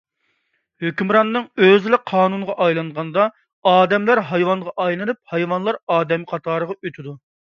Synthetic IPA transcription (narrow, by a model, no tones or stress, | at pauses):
høkʲymɾɑnːɨŋøzɪlɪqʰɑːnunʁɑʔɑjlˠɑɴʁɑnd̪ɑ | ɑːd̪ɛmlæɾɦɑjwɑnʁɑʔɑjlˠɨnup̚hɑjwɑnlˠɑɾɑːd̪ɛmɪqʰɑt̪ʰɑːɾəʁɑøt̪ʰɪd̪u